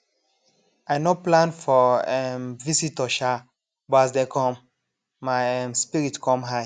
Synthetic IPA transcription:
ajnoplãnfɔɛmvisitɔʃa | bɔasdɛkʰɔ̃mː | aɪɛmspiɹitkʰɔ̃mɦaj

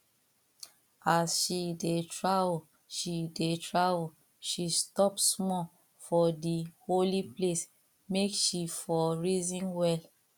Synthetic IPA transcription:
asʃidetʰɹavl | ʃidetʰɹavo | ʃistɔpsmɔ | fɔdiholiples | mekʃifɔɹizĩnwɛl

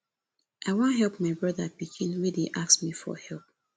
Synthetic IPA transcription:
ʔaɪwɔ̃nɦɛlˠpmaɪbɹʌðapikʰĩnwidiʔaksmifɔ̰hɛlˠp̚

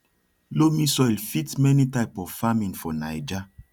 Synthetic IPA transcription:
lomisɔilfitmɛnitaɪpɔvfamĩnfɔnajd͡ʒa

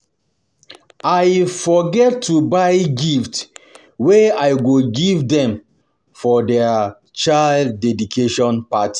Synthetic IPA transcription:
ajfɔɡɛtʰːubaɪɡift | weaɪjɡoɡivdɛ̃m | fɔdɛ | t͡ʃaldːɛdikʰeʃɔ̃npati̥

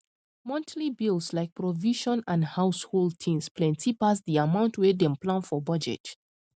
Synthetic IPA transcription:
mɔ̃ntʰlibilˠslaɪk̚pɹɔviʃɔ̃nãndhaʊsholˠd̚tʰĩnsplɛ̃ntʰipasdiamãʊ̃ntwedɛ̃mplãnfɔbʌd͡ʒɛ̰t

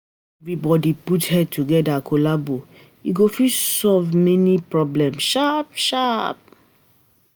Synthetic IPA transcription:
ɛvɹibɔdiputhɛd̚tʰuɡɛdakʰolabo | iɡofisɔlvmɛnipɹɔblɛ̃mʃapʃap̚

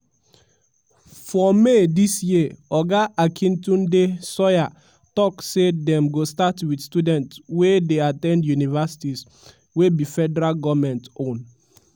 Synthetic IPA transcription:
fɔmedisjiɔɡaʔakʰĩntũndesɔja | tɔksedɛ̃mɡostatwidstudɛ̃ntwedeatɛ̃ndjunivasi̥tis | webifɛdɛɾalɡɔmɛ̃ntõn

